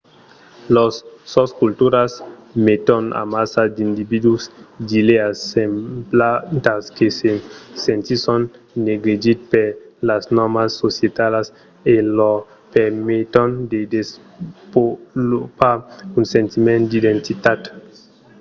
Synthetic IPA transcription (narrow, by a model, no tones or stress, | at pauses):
losːoskult̪uɾasmet̪ona̰masad̪ind̪ibid̪usd̪ileasemplant̪askesesent̪isonː | eɡɾid͡ʒit̪̚peɾlasnɔɾmasːosjet̪alas | elo | peɾmit̪ond̪ed̪es | polopaɾunsent̪imẽnt̪d̪id̪ent̪it̪at̪